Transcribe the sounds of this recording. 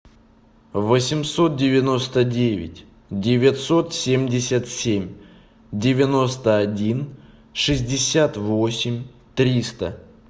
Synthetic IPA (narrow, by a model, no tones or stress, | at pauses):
vəsʲɪmso̞t̪̚dʲɪvʲɪno̞st̪ədʲevʲɪ̰tʲ | dʲɪvʲɪt̪so̞t̪sʲemʲdʲɪsʲət̪sʲemʲ | dʲɪvʲɪno̞st̪əɐdʲin | ʂɨzʲdʲɪsʲat̪vo̞sʲɪmʲ | t̪ɾʲist̪ə